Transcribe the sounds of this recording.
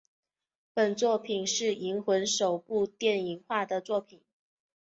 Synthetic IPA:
pə˨˩nt͡swɔ˥˩pʰi˨˩nʂɻ̩˥˩i˧˥ŋxwə˧˥nʂo˨˩ʊpu˥˧t̪jɛ˥˩ni˧˥ŋxwa˥˩d̪ə˩t͡swɔ˥˩pʰi˨˩˦n

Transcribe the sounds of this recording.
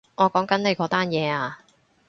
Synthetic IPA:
ŋɔː˨˧kɔː˨˥ŋkɐ˨˥nne˨˧jkɔː˨˥t̪aː˥njɛː˨˧aː˧

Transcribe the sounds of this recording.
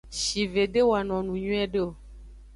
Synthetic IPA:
ʃi˨ve˨ɖe˦wo˨a˨nɔ̃˨nũ˨ɲũ˦ɛ˦ɖe˦o˨

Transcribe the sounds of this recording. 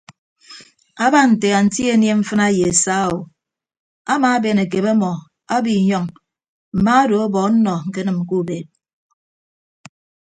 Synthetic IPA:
a˦ba˦n̩˨te˨a˨n̩˨˦ti˦e˨˦n˦e˦ɱ̩˦fɨ˦na˦je˨e˨sa˦˨o˨ | a˦ma˨˦be˨ne˨ke˨be˦mɔ˨ | a˦bi˨ɲɔ˦ŋ | m̩˨ma˦a˦do˨o˦bɔ˨˦n̩˦nɔ˨ŋ̩˨ke˦nɨ˨m̩˨ku˦˨be˨t̚

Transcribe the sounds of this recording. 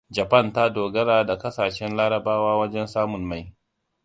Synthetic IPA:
d͡ʒɐ˨pɐ˦˨nta˦doː˨ɡɐ˦ɾaː˦˨da˨kɐ˦saː˨ʃɛ˦nlaː˦ɾɐ˨baː˦waː˦wɐ˦d͡ʒɛ˦nsaː˦mʊ˨nma˦˨j

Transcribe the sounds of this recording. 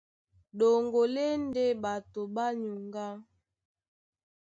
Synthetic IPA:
ɗo˨ŋɡo˨le˦n˦de˦ɓa˨to˨ɓa˦ɲu˨ŋɡa˦

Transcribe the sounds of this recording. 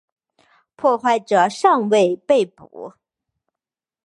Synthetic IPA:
pʰwɔ˥˧xwa˥˩ɪʈ͡ʂɤ˨˩ʂɑ˥˧ŋwe˥˧ɪpe˥˩ɪpṵ˨˩˦

